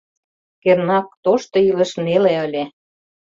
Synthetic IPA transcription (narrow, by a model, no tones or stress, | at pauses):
kernɑk̚t̪oʃt̪ɤ̆ylə̆ʃneleəlʲe